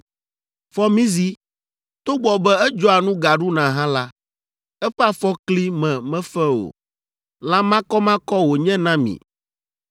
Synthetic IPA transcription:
fɔ˦mĩ˦zi˦ | t̪o˦ɡ͡bɔ˨bɛ˦ɛ˦d͡ʒɔ˦a˨nũ˦ɡa˨ɖu˦nã˨ɦã˦la˦ | ɛ˦ɸɛ˦a˦fɔ˦kli˦mɛ̃˨mɛ̃˦fɛ˦o̰˨ | lã˦mã˦kɔ˦mã˦kɔ˦wo˨ɲɛ̃˦nã˦mḭ̃˨

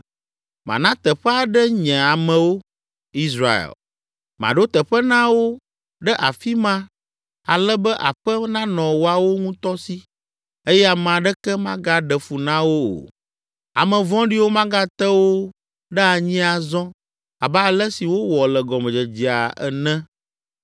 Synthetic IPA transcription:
mã̰˨nã˦t̪ɛ˨ɸɛ˦a˨ɖɛ˦ɲɛ̃˨a˨mɛ̃˨wo˦ | i˦sɾa˨ḛ˨l | mã̰˨ɖo˦t̪ɛ˨ɸɛ˦nã˦wo˦ | ɖɛ˦ʔa˨fi˦mã˦ | a˨lɛ˦bɛ˦ʔa˨ɸɛ˦nã˦nɔ̃˨wo˦a˨wo˦ŋũ˦t̪ɔ˦si˦ | e˦jɛ˦a˨m˨ã˨ɖɛ˦kɛ˦mã˦ɡa˦ɖɛ˨fu˨nã˦wo˦o̰˨ | a̰˨mɛ̃˨vɔ̃˦ɖi˦wo˦mã˦ɡa˦t̪ɛ˦wo˦ | ɖɛ˦a˨ɲĩ˦a˨zɔ̃˦ | a̰˨ba˦˨lɛ˦si˨wo˦wɔ˨lɛ˨ɡɔ˨mɛ̃˨d͡ʒɛ˨d͡ʑi˨a̰˨ɛ̰˨nɛ̃˦

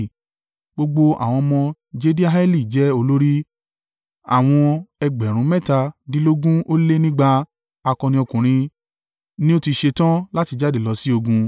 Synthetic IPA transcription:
ɡ͡bo˧ɡ͡bo˧a̰˨w̃ɔ̃˧mɔ̃˧ | d͡ʒe˦di˦a˦ɦa˦li˦˨d͡ʒɛ˦o˧lo˦ɾi˦ | a̰˦˨w̃ɔ̃˧ɛ˧ɡ͡bɛ˨ɾ̃ũ˨˦mɛ˦˨ta˧di˦lo˦ɡũ˦o˦le˦nĩ˦ɡ͡ba˧ | a˧kɔ̃˧nĩ˧ɔ˧kũ˨ɾ̃ĩ˧ | nĩ˦o˦ti˧ʃe˧tã˦la˦ti˧d͡ʒa˦de˦˨lɔ˧si˦o˧ɡũ˧

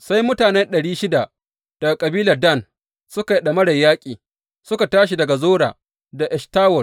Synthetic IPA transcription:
sa˦jmʊ˦taː˨nɛ˦nɗɐ˨ɽiː˦ʃɪ˦da˨ | d̥ɐ˨ɡa˨kʼɐ˨biː˦lɐ˨rdɐ˦˨n | sʊ˦ka˨i˨ɗɐ˨mɐ˦ɽɐ˨jːaː˦kʲʼiː˨ | sʊ˦ka˨taː˦ʃ̬i˨dɐ˨ɡa˨zoː˦ɽa̰ː˨ | da˨ʔɛ˨staː˦wɔ˨l

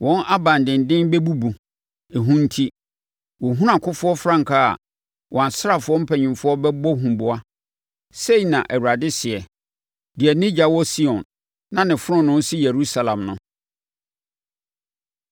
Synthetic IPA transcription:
wɔ̃˦nʔa˦bã˨ndɪ̃˨n˨dɪ̃˦nbɛ˦bu˦bu˨ | e˨ɦũ˦n̩˦tʰi˦ | wɔ˨ɦũ˦ɾã˨kʰʊ̃˦fʊ˦ɔ˦fɾã˦ŋ̩˨kʰa˦a̰˨ | wʔɔ̃˨a˨n˨sa˨fʊ˦ɔ˦m̩˦pʰɛ˨ɲᶣɪ̃˨mfʊ˦ɔ˦bɛ˦bɔ˦ɦũ˨bʊ˨a˦ | se˦i˨nã˨ʔæ˨wu˨ɾa˨dɪ˦sɪ˨ɛ˨ | dɪ˨ɛ˨nɪ̃˦d͡ʑa˨wɔ˦si˦ɔ̃˨nː | ã˦nɪ̃˨fʊ˦ɾʊ̃˦nʊ̃˦n˦si˦je˨ɾu˦sa˨lã˨mnʊ̃˦

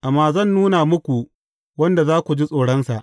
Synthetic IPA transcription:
ʔa˨mːaː˨zɐ˦˨nːuː˦na˨mʊ˦kʷu˨ | wɐ˦nda˨zaː˦kʷu˨d͡ʒi˦sʼoː˨ɽɔ˦nsa˨ʔ

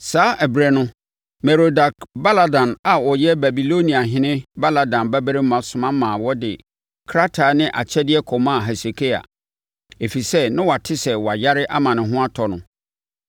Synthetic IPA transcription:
saː˨˦ʔɛ˨bɾɛ˨nʊ̃˦ | mɛ˨ɾo˨da˨kba˦la˦dã˨na˨wɔ˨jɛ˦ba˨bi˨lo˦nĩ˨a˨ɦɪ̃˦nɪ̃˦ba˦la˨dã˨nbæ˦be˦ɾɪ˦mã˨sʊ̃˨mã˦mãː˨wɔ˦dɪ˨ | kʰɾa˦tʰa˨nɪ̃˦ʔa̰˨t͡ɕʰɛ˦dɪ˦ɛ˦kʰɔ˨mã˦˨ɦɛ˨se˨kʰe˦a̰˨ | e˨fi˨sɛ˦nɪ̃˦wɔ˨a˨tʰɪ˦sɛ˨wɔ˨a˨ja˦ɾɪ˦ʔa˦mã˨nɪ̃˨ɦʊ̃˦a˦tʰɔ˨nʊ̃˨

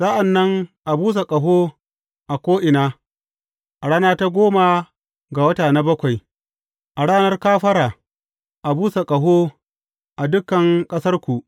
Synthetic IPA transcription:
sa˦ʔa˨nːɐ˦ŋʔa˨buː˦s̬a˨kʼɐ˨ɦoː˦ | ʔa˨kʷoː˦ʔɪ˨naː˦ | ʔa˨ɽaː˦naː˦ta˦ɡʷoː˦ma˨ | ɡa˨wɐ˦taː˨na˦bɐ˦kʷa˨j | ʔa˨ɽaː˦nɐ˦rkaː˦ɸɐ˦ɾaː˨ | ʔa˨buː˦sa˨kʼɐ˨ɦoː˦ | ʔa˨dʊ˦kːɐ˨ŋkʼɐ˦sɐ˦rkʷu˨ʔ

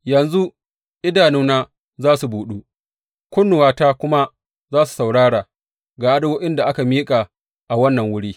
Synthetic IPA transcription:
jɐ˨nzu˦ | ʔɪ˦daː˨nʊ˦naː˦ | zaː˦su˨buː˨ɗu˦ | kʷʊ˦nːʊ˨waː˦taː˦kʷʊ˦ma˦ | zaː˦su̥˨sa˨wɽaː˦ɽaː˨ | ɡaː˨ʔa˦dɐ˦woː˦ʔɪ˦nda˨ʔa˦ka˨miː˦kʼa˨ | ʔa˨wɐ˦nːɐ˨ŋwʊ˦ɽiː˦

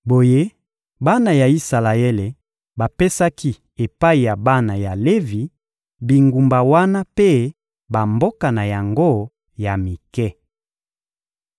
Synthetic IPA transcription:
bo˨je˦ | ba˦na˨ja˨i˦sa˨la˨e˦le˨ | ba˨pe˦sa˦kʰi˦ | e˨pa˦i˨ja˨ba˦na˨ja˨le˦vi˨ | bi˨ŋɡu˨mba˨wa˦na˦pe˦ | ba˨mbo˦ka˨na˨ja˨ŋɡo˦ | ja˨mi˨kɛ˦

